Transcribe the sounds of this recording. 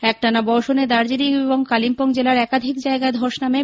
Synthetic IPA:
ɛk̚ʈanabɔɾʃoned̪aɾd͡ʑiɾieβoŋkalimpoŋd͡ʑelaɾɛkad̪ʱikd͡ʑaeɡaed̪ʱoʃname

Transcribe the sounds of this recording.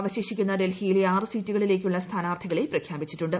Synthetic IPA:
ʋɐɕeːɕikʲːunːɐɖe̞lhijilaːrɨsiːtːuɣɐɭile̞ːk̬ʲːuɭːɐst̪ʰaːnaːrt̪ʰiɣɐɭe̞prɐkʰjaːbit͡ɕːiʈːuɳɖɨ

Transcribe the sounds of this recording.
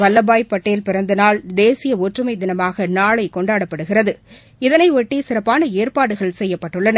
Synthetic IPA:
ʋɐlːɐbaːjpːɐʈːɐjɪlpɪɾɐnd̪ɐnaːɭd̪eːsɪjɐɔʈrɯmɐɪd̪ɪnɐmaːɣɐnaːɭɐɪkɔɳɖaːɽɐpːɐɽɯɣɪrɐðɯ | ɪðɐnɐɪʋɔʈːisɪrɐpːaːnɐeːrpaːɽɯɣɐɭsɛjːɐpːɐʈːɯɭːɐnɐ

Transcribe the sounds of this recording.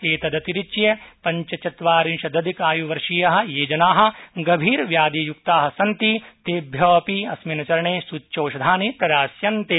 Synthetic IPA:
eːt̪ɐd̪ɐt̪iɾit͡ʃijɐpɐɲt͡ʃɐt͡ʃɐt̪ʋaːɾinʃɐd̪ɐd̪ikaːjuʋɐɾʂijɐɦɐ̆jeːd͡ʒɐnaːɦɐ̆ɡɐbʱiːɾʋjaːd̪ijukt̪aːɦɐsɐnt̪it̪eːbʱjɐɐpiɐsminɐt͡ʃɐɾɐɳeːsutːʃoːʃɐd̪ʱaːnit̪ɐɾaːsjɐnt̪e

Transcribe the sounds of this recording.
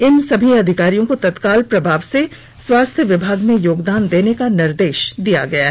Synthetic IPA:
ɪnsɐbʱiɐd̪ʱɪkaːɾijõkot̪ɐt̪kaːlpɾɐbʱaːʋse | swaːst̪ʰjəʋɪbʱaːɡmẽjoːɡd̪aːnd̪eːnekanɪɾd̪eːʃd̪ija̰ɡɐjaɦɛ

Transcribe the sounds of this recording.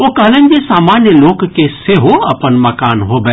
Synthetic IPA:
oːkɐɦlə̃nd͡ʒesaːmaːnjəloːɡkeseɦoɐpənmɐkaːnɦoːbɛ

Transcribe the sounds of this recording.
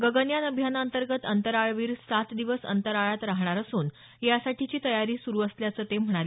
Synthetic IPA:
ɡəɡənjanəbʱjanənt̪əɾɡət̪ənt̪əɾaɭʋiːɾsat̪d̪iʋəsə̰nt̪əɾaɭat̪ɾaɦɳaɾəsuːn | jasaʈʰit͡ɕiːt̪əjaɾiːsuɾuːəsljat͡səːt̪em̤əɽ̃aleː

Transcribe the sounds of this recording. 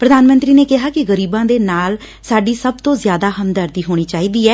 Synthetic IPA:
pɾəd̪aːnmə̃nt̪ɾiːneːkɪɦaːkɪɣəɾiːbãːd̪eːnaːl | saːɖiːsəb̚t̪õːzjaːd̪aːɦəmd̪əɾd̪iːɦoːɽ̃iːt͡ʃaːiːd̪iːɛː

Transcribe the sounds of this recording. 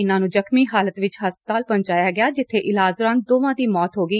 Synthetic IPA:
ɪnãːnũːd͡ʒəkmiːɦaːlət̪ʋɪt͡ʃɦəspət̪aːlpəɲt͡ʃaːjaːɡɪaːd͡ʒɪt̪ʰːeːʔɪlaːzɾãːn̚d̪oːʋãːd̪iːmɔːt̪ɦoːɡiː

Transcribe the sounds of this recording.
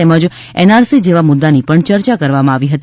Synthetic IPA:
eməd͡ʒ | ɛnaɾsid͡ʒeʋamʊd̪ːanipəɳt͡ʃəɾt͡ʃakəɾʋamãaʋiɦət̪

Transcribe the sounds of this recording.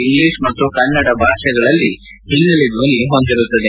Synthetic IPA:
iŋɡliːʂmɐt̪ːukɐnːɐɽɐbʱaːʂɐɡɐɭɐlːi | ɦinnɐlid̪ʱʋoːniɦond̪iɾut̪ːɐd̪e

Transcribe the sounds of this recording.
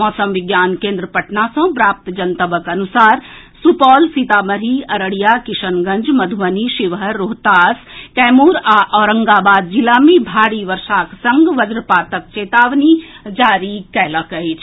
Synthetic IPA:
mɔːsəmʋɪɡjaːnkẽːnd̪ɾəpɐʈnasɐ̃pɾaːp̚t̪d͡ʒɐnt̪əbəkɐnusaːɾ | supɔːlsit̪aːmɐɾiɐɾəɽijakiʃənɡɐ̃nd͡ʒmɐd̪ʱʋəniʃiʋɦəːoːɦt̪aːskɛːmuɾaʔɔːɾəŋɡabaːd̪̚d͡ʒilamẽbʱaːɽiʋəɾʃaːksɐŋɡʋɐd͡ʒɾpaːt̪ək̚t͡ʃeːt̪aːʋnid͡ʒaːɾikɛːləkəɦit͡ʃʰ

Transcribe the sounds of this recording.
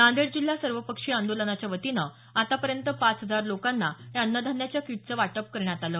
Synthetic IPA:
nãnd̪eɽd͡ʑil̤ːjasəɾʋəpəkʂiːãnd̪olənat͡ɕjaʋət̪inə | at̪apəɾjənt̪əpat͡sɦəd͡zaɾlokanːajanːəd̪ʱanjat͡ɕjakiʈ̚t͡səʋaʈəp̚kəɾɳjat̪aləː

